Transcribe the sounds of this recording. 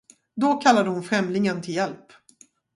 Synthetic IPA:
d̪ɔkʰalːad̪əhʊnfɾɛmlɪŋənt̪ʰɪljɛlp

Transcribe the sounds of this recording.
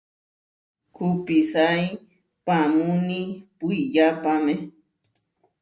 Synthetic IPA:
kʰʊpisaj | pamunipʊjʎapame

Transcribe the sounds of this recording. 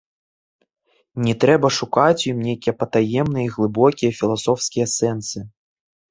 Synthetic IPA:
nʲɛt̪ɾɛbɐʂukat͡sʲjimnʲejkʲijɛpɐt̪ajɛmnɨjiɣlˠɨbɔkʲijɐfʲilˠasɔfskʲijɐsɛnsɨ

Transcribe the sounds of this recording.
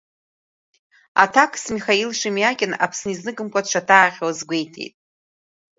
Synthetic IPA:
a̰tʰakʰsmiχailʂimjakʲʼɪna̰pʰsniznɨkʼɨmkʷʼat͡ʃʷʰatʰaːχʲwazɡʷe̞jtʰḛjtʼ

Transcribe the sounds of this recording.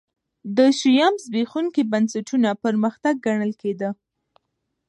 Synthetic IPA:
d̪əʃijɑmzbexuŋkibansaʈʰunapəɾməxt̪aɡ̚ːaɳəlked̪ə

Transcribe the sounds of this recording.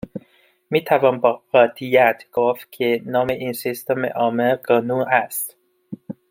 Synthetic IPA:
miːt̪ʰævɒːmbɒːɢɒːt̪ʰijæt̪ʰɡ̥oft̪̚kʰenɒːmeʔiːnsist̪omḛʔɒːmeɡɒːnuʔæst̪

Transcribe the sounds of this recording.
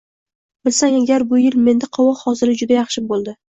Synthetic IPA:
bɪlsaŋaɡʲaɾbʊjɪlme̞nd̪aqʰɑwɒhɒzɪɾɪd͡ʒʊd̪ajɑχʃɪbolˠd̪ɪ

